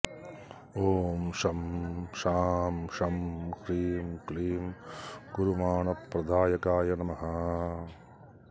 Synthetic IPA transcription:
oːmʃɐmʃaːmʃɐmkɾiːmkliːmɡ̥uɾumaːɳɐpːɾɐd̪ʱaːjɐkaːjɐnɐmɐɦɐ

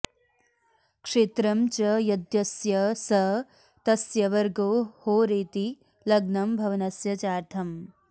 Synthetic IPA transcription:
kʂeːt̪ɾɐmt͡ʃɐjɐd̪jɐsjɐsɐɦ | t̪ɐsjɐʋɐɾɡoːhoːɾeːt̪i | lɐɡnɐmbʱɐʋɐnɐsjɐt͡ʃaːɾt̪ʰɐm

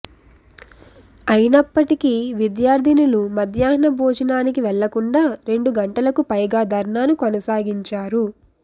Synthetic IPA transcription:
ɐjinɐpːɐʈikiʋid̪jaːɾd̪ʱinulumɐd̪jaːɦnɐbʱɔːd͡ʒɐnaːnikiʋɛɭːɐkuɳɖaːɾe̞ɳɖuɡɐɳʈɐlɐkupɐjɡaːd̪ʱɐɾɳaːnukonɐsaːɡiɲt͡ʃaːɾu

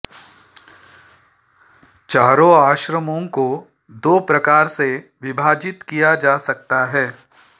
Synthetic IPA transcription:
t͡ʃaːɾõaːʃɾəmõko | d̪oːpɾɐkaːɾseʋɪbʱaːd͡ʒɪt̪kijad͡ʒaːsɐkt̪aɦɛː

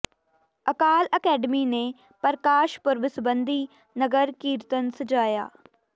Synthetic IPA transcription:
əkaːləkɛːɖəmiːneː | pəɾəkaːʃpʊɾʋɪsbənd̪iː | nəɡəɾkiːɾt̪ənsəd͡ʒaːja̰ː

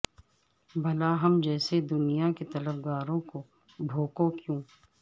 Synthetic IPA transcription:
bʱɐlaɦɐmd͡ʒɛːsed̪ʊnijaket̪ɐləbɡaːɾõko | bʱoːkõkjũː

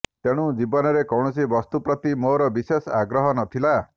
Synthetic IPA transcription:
t̪eɽ̃ud͡ʒibɔnɔɾekɔw̃ɔs̬ibɔst̪upɾɔt̪imoɾɔbisesaɡɾɔɦɔnɔt̪ʰila

